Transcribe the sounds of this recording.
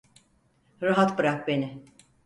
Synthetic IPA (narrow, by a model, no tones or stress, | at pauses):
ɾaɦat̪bɯɾak̚benɪ